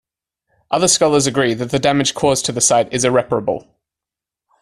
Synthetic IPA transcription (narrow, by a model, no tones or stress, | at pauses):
ʔʌðəskɒlˠəzəɡɹiːðəʔðədamɪd̥ʒ̥kʰɔːztʰəðəsaɪtɪzɪɹɛpəɹəbə̰lˠ